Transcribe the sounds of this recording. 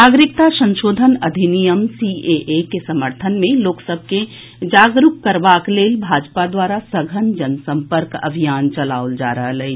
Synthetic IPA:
naːɡɾɪk̚t̪asə̃nʃoːd̪ʱənɐd̪ʱinijəmsieʔekesəməɾt̪ʰənmẽloːksəb̚ʱke | d͡ʒaːɡɾukkəɾʋaːkleːlbʱaːd͡ʒpad̪waːɾasəɡʱənd͡ʒənsə̃mpəɾkə̰bʱijaːnt͡ʃəla̰ːold͡ʒa̰ːɾəɦələɦi

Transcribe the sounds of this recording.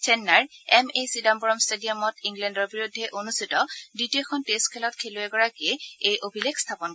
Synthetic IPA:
t͡ʃɛnːaɹɛmesidambɔɹɔmstediɔmɔtiŋɡlɛndɔɹbiɹudʱːɛʔonustitɔditijɔkʰɔntestkʰɛlɔt̚kʰelʊɛɡɔɹakiɛejʔobʱilekstʰapɔn

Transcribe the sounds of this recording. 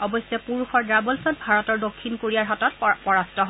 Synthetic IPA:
ɔbɔsːɛpuɹuxɔɹdɹabɔlsɔt̚bʱaɹɔtɔɹdokʰːinkoɹiaɹɦɔtɔt̚pɔɹastɔɦɔ

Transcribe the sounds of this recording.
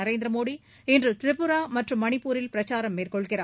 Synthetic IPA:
ɐɾeːnd̪ɾɐmoːɽi | ɛndrɯt̪ɪɾɪpːɯɾaːmɐʈrɯmːɐnɪpːuːɾɪlpɪɾɐt͡ʃaːɾɐmːeːrkɔɭɣɪraː

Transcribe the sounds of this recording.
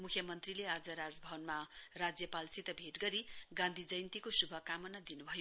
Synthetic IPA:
mukʰjʌmʌnt̪rilead͡zʌɾad͡zbʱʌbʌnmarad͡zjʌpalsit̪ʌbʱeʈɡʌɾiɡãnd̪ʱid͡zʌjnt̪ikosubʱʌkamʌnʌd̪inubʱʌjo

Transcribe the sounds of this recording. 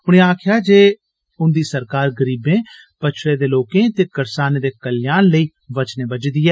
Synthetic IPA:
ʊɽ̃ĩːaːkʰɪjaːd͡ʒeː | ʊnd̪iːsəɾkaːɾɡəɾiːbẽː | pət͡ʃʰɽeːd̪eːloːkẽːt̪eːkəɾsaːneːd̪eːkəljaːnləiː | ʋət͡ʃnẽːbəd͡ʒd̪iːɛː

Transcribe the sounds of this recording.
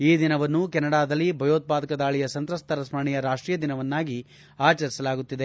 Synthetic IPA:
iːd̪inɐʋɐnːukɛnːɐɽaːd̪ɐlːibʱɐjoːt̪̚paːd̪ɐkɐd̪aːɭijɐsɐnt̪ɾɐst̪ɐɾɐsmɐɳijɐɾaːʂʈɾiːjɐd̪inɐʋɐnːaːɡi | aːt͡ʃɐɾisɐlaːɡut̪ːid̪e̞

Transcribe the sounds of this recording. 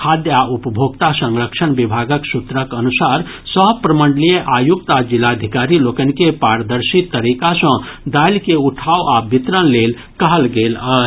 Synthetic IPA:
kʰad̪jaupəbʱoɡt̪asə̃ŋɾəkt͡ʃʰənbibʱaɡəksut̪ɾəkənusaɾ | səpɾəməɳɖlijeʔajuk̚t̪ad͡ʒilad̪ʱikaɾilokənkepaɾd̪əɾsit̪t̪ːəɾikasə̃d̪alkeuʈʰaoabit̪ɾənlel | kəɦəlɡelə

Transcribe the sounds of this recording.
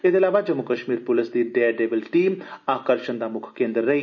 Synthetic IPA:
ed̪eːlaːʋaːd͡ʒəmːʊkəʃmiːɾpʊlɪsd̪iːɖeːaɖeːbəlʈiːmaːkəɾʃənd̪aːmʊkʰkẽːnd̪əɾːəi

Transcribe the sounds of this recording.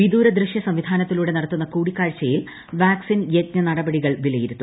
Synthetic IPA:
ʋid̪uːɾɐd̪rɾɨʂjɐsɐmʋid̪ʱaːnɐt̪ːiluːɽe̞nɐɽɐt̪ːunːɐkuːɽikːaːɻt͡ɕːɐjil | ʋaːksinjetɲɐnɐɽɐbɐɽiɣɐɭʋilɐjiɾut̪ːu

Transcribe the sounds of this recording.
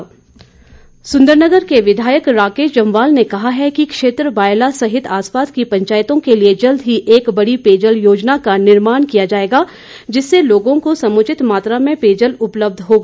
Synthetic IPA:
sʊ̃nd̪əɾnəɡəɾkeʋɪd̪ʱaːjəkɾaːkeːʃd͡ʒɐ̃mʋaːlnekɐɦaɦɛkikʃeːt̪ɾəbaːjlasɐɦɪt̪ʰaːspaːt̪kipɐ̃ɲt͡ʃaːjt̪õkelied͡ʒɐld̪ʱɦiʔeːkbɐɽipeːd͡ʒəljoːd͡ʒnakanɪɾmaːnkijad͡ʒaːeːɡaː | d͡ʒɪsːeloːɡõkosɐmʊt͡ʃɪt̪maːt̪ɾamẽpeːd͡ʒəlʊpləb̚d̪ʱɦoːɡa

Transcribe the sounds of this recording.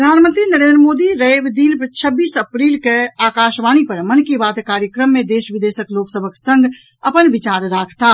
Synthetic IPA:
əd̪ʱaːnmə̃nt̪ɾinəɾẽnd̪ɾəmoːd̪iɾəeʋd̪iːnpət͡ʃʰəbːiːsəpɾiːlkeaːkaːʃʋaːñipəɾmənkibaːt̪kaːɾjəkɾəmːẽd̪eːʃʋɪd̪eːʃəkloːksəbʱəksə̃ŋɡ | ɐpənʋɪt͡ʃaːɾɾaːkʰt̪aː

